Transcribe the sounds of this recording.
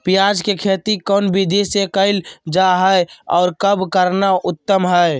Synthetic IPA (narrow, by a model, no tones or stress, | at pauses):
pijad͡ʒkekʰeːt̪ikɔːnbʱid̪esekəɪld͡ʒaɦɛeɔ̰ːɾkəbʱkəɾnaʔʊt̪ːəmɦəe